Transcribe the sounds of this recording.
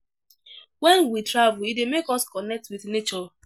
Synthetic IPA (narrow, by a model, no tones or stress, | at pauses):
wɛ̃nwitɹavuidemekɔskɔnɛk̚twiθnet͡ʃɔ